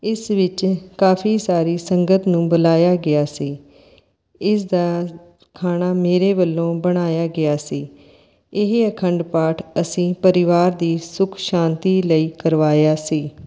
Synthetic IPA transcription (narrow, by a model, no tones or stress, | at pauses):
ɪsʋɪt͡ʃkaːpʰiːsaːɾiːsəŋɡət̪nũːbəlaːjaːɡɪaːsiː | ɪsd̪aː | kʰaːnaːmeːɾeːʋəlːõːbəɽ̃aːjaːɡɪaːsiː | ɪɦəkʰəɳɖpaːʈʰəsĩːpəɾɪʋaːɾd̪iːsʊkʰʃãːnt̪iːləiːkəɾʋaːjaːsiː